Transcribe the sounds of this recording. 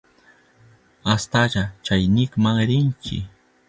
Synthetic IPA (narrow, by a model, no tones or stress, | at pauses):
ast̪aʎat͡ʃajnɪkmaŋɾɪŋkɪ̰